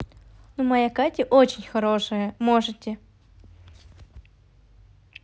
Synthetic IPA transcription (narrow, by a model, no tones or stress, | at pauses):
numɐjakatʲɪʔot͡ɕɪnʲxɐɾoʂɨjəmoʐɨtʲːɪ